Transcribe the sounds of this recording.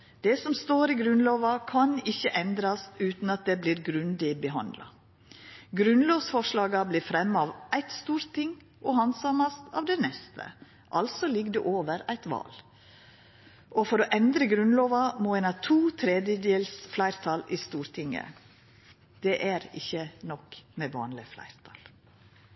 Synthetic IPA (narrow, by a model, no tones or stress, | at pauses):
d̪̥ɛsɔmst̪oːɾiɡɾʉnloːʋɑkʰɑnɪçəʔɛnd̪ɾɑsʉːt̪nɑt̪̚d̪ɛbliːɾɡɾʉnd̪ɪbəɦɑ̰nd̪lɑ̰ | ɡɾʉnloːʋsfɔʂlɑːɡɑbliːɾfɾɛmːɑɑʋʔæɪt̪st̪uːɾt̪ʰːɪŋ | ʔɔhɑnsɑmɑst̪ɑ̰ːʋd̪ɛnɛst̪ʰə̰ | ʔɑlsɔlɪɡd̪ɛ̰ʔoːʋəɾæɪt̪ʋɑ̰ːl | ʔɔfɔɾɔʔɛnd̪ɾəɡɾʉnloːʋɑmoːɛːnɑʋt̪ʰuːt̪ʰɾɛd̪jəd̪eːlsflæɪɾt̪ʰɑlist̪uːɾt̪ʰɪŋːə̰ | d̪̥ɛʔæɾɪ̰çːənɔkmɛʋɑ̰ːnlɪflæ̰ɪɾt̪ʰɑːl